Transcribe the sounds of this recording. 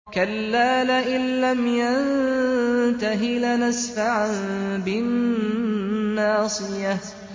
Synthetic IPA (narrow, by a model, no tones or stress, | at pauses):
kalːaːlaʔɪnlamjan | t̪aɦɪlanasfaʕanbɪn | ɑːsˤɨjah